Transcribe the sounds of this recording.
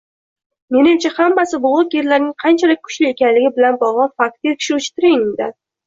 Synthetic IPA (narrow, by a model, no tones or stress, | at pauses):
me̞nɪmt͡ʃʰahamːasɪbʊʁʊkjeɾlaɾnɪŋqʰɑnt͡ʃʰalɪk̚ʲkʰʊ̥ʃlɪe̞kʲanlɪɡʲɪbɪlanbɒʁlˠɑfak̚t̪ekʲʰɪ̥ʃɪʊt͡ʃt̪ɪɾɪŋɪnd̪a